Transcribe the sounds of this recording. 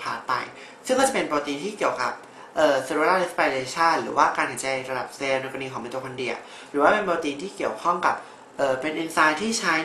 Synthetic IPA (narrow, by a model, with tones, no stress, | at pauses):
pʰaː˨˩t̪̚pa̰˧j | sɯ˥˩ŋkːɔː˥˩t͡ɕa˨˩pe˧npɔː˧ka˧t̪iː˧t̪ʰiː˥˩i˨˩əwka˨˩p̚ | ʔɤː˨˩sa˧ɾu˨˧˦a˧le˦˥spa˧leː˧t͡ɕʰaː˥˩t̪̚ɾɯː˩˦waː˥˩kaː˧nkʰa˨˩˦jt͡ɕa˧jɾa˧da˨˩p̚seː˧noː˧ka˧niː˧kɔː˩˦me˧t̪uː˧kʰa˧ndi˨˩ət̚ | ɾɯː˩˦waː˥˩pe˧npɔː˧ka˧t̪iː˧t̪ʰiː˥˩ki˨˩əwkʰɔ˥˩ŋka˨˩p̚ | ʔɤː˨˩pe˧nʔi˧nsaː˧jt̪ʰiː˥˩t͡ɕʰa˦˥